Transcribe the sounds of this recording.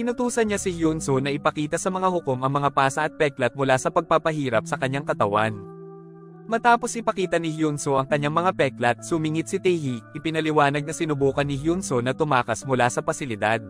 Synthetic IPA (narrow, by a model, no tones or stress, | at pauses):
kɪnʊt̪uːsɐnɲasɪhjunsonɐʔɪpɐkiːt̪ɐsɐmɐŋahʊko̞mɐŋmɐŋapaːsɐʔɐt̪̚pɛklɐt̪̚mʊlasɐpɐɡ̚papɐɦiːɾɐp̚sɐkɐɲːaŋkɐt̪ɐwa̰n | mɐt̪aːpo̞sʔɪpɐkiːt̪ɐnɪhjunsoʔɐŋkɐɲːaŋmɐŋapɛklɐt̪̚sʊmiŋɪt̪̚sɪt̪ɛhiʔɪpɪnɐlɪwaːnɐɡ̚nɐsɪnʊbuːkɐnɪhjunsonɐt̪ʊmaːkɐsmʊlasɐpɐsɪlɪd̪ad̪̚